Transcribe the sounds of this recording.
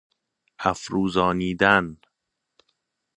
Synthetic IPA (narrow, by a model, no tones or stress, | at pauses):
hæfɾuːzɒːniːd̪æn